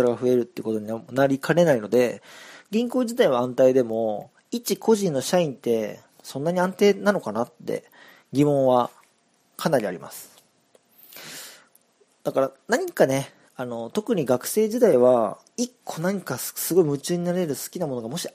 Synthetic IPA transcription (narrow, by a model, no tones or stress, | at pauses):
aɾaɡaɸɯ̟e̞ɾɯ̟t̪ːeɯko̞t̪oɲ̟inaɾʲikʰaɾe̞naino̞d̪e̞ɡʲĩŋkoːʑit̪aiβaãnt̪aid̪e̞mo̞ | it͡ɕikʰo̞ʑĩnːo̞ɕaĩnt̪e̞ | sõ̞nːaɲ̟iãnt̪e̞ːnano̞kanat̪ːe̞̰ | ɡʲimõ̞ɰ̃βa | kʰanaɾʲia̰ɾʲima̰sɨ̥ | d̪̥akaɾanaɲ̟ikane̞ | ano̞t̪o̞kɯ̟ɲ̟iɡakɯ̟̥se̞ːʑid̪aiβ̞a | ikʰːo̞naɲ̟ikasɨɡo̞imɯ̟t͡ɕɨːɲ̟inaɾe̞ɾɯ̟sɨ̥kʲinamo̞no̞ɡamo̞ɕi